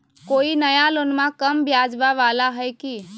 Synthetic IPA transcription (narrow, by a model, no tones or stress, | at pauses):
koːinəjaloːnmãkəmbʱjaːd͡ʒʋaʋaːlaɦəjki